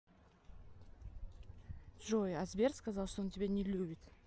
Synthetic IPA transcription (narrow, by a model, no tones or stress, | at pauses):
ʒojazbʲerskazɑlˠʂt̪ont̪ʲebʲenʲɪlʲubʲɪt̪